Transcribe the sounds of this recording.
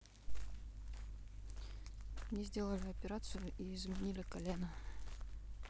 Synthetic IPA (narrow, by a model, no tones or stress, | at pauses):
mnʲizʲdʲe̞lˠəlʲɪɐpʲɪɾat̪sɨjʊʔiɪzmʲɪnʲilʲɪkɐlʲenə